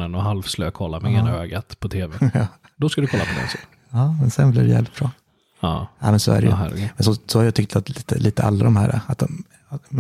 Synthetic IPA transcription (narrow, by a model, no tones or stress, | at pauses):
ənɔɦalfslø̰ːkʰɔlːamɛɪŋːəøːɡat̪pʰɔt̪ʰeːvɛɑː | d̪ɔskad̪ɵkʰɔlːa̰pʰɔd̪ɛ̰ns | ɑːmɛnsɛnblidɛjɛ̰ːvlɪt̪̚b̥ɾɑː | ɑɛmɛnsɔ̰æ̰ɾɛjhɾmɛnsɔsɔhaɾjɑːt̪ʏk̚t̪ʰat̪liːt̪əlʔiːt̪əa̰lːad̪ɔmhæːɾa̰at̪̚d̪ɔm